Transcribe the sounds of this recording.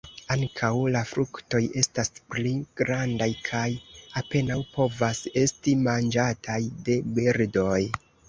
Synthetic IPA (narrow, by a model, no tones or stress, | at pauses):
aŋkʰawlafɾukto̞je̞staspliɡ̥ɾandajkʰajape̞nawpo̞vase̞stimand͡ʒatʰajde̞beɾdo̞j